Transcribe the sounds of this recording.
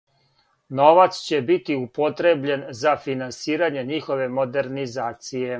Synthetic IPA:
no̞ʋat̪st͡ɕe̞bit̪iupo̞t̪ɾe̞bʎenzafinansiːɾaɲe̞ɲiːxo̞ʋe̞mo̞d̪e̞ɾnizaːt̪sije̞

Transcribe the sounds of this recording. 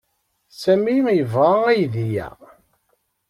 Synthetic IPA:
sæmijəvʁaæjðijæ̰

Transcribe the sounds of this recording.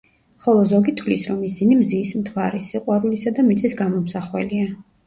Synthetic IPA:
χɔlˠɔzɔɡit̪ʰwlisɾɔmisinimziːsmt̪ʰwaɾisiqʼwaɾulisad̪amit̪sʼisɡamɔmsaχwɛ̰lia

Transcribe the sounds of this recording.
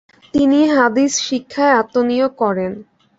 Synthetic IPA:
t̪iniɦad̪isʃikʰːaeat̪ːonijokɔɾen

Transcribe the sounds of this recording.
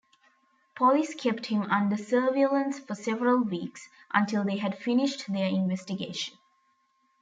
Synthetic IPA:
pʰɔliskʰɛpʈhɪ̃mʌ̃nɖəsəːʋiələ̃nsfəsɛʋəɾəlʋiːks | ʔə̰̃nʈɪlˠd̪eːɦæɖfɪnɪʃʈd̪eɪ̃nʋɛsʈɪɡeːʃə̃n

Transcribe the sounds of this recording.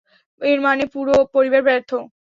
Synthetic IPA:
eɾmanepuɾopoɾibaɾbɛɾt̪ʰːo

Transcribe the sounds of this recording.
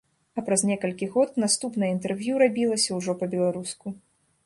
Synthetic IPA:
ɐpɾɐznʲɛkɐlʲkʲiɣɔt̪nast̪upnɐjəint̪ɛrvʲjuɾabʲilˠɐsʲɐwʐɔpɐbʲɛlˠaɾusku

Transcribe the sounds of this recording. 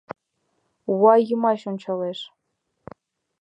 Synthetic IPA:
uwɑjɤmɑɕonʲt͡ɕɑleʂ

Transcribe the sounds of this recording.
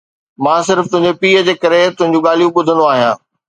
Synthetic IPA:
mãːsɪɾft̪ʊ̃ɦɪ̃ɲd͡ʑopiːəd͡ʑeːkɐɾet̪ʊ̃ɦɪ̃ɲd͡ʑũɠaːlijũɓʊd̪ʱənd̪oaːɦijãː

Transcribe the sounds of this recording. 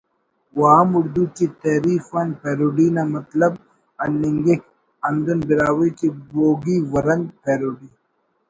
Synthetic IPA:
waːmuɽd̪uːt͡ʃit̪ɐɾiːfanpeːɾoɖiːnamɐt̪lɐb | ɐlːiŋɡek | ɐnd̪onbiɾaːwit͡ʃiboːɡiːwɐɾɐnpeːɾoɖi

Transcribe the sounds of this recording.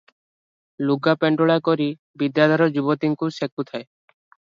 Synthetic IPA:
luɡapeɳɖɔɭakɔɾi | bid̪jad̪ʱɔɾɔd͡ʒubɔt̪iŋkusek̚ut̪ʰae

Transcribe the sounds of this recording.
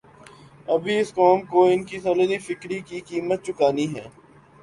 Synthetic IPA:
ɐbʱiɪskɔːmkoɪnkisɔːləlifɪkɾikikiːmət̪̚t͡ʃʊkaːniɦɛ̰ː

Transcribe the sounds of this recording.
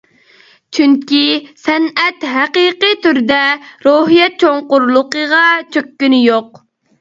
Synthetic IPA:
t͡ʃʰyŋkʲisɛnɛt̪ɦɛqiqit̪yɾd̪ɛɾoɦijɛt̪̚t͡ʃʰoŋqʊɾlˠʊqəʁɑt͡ʃʰøkʲːynɪjoq

